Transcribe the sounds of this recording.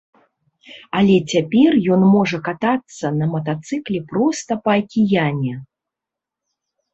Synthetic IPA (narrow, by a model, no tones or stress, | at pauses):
alʲɛt͡sʲapʲɛrjɔnmɔʐɐkat̪at̪sːɐnɐmɐt̪at̪sɨklʲɛpɾɔst̪ɐpɐɐkʲijanʲɛ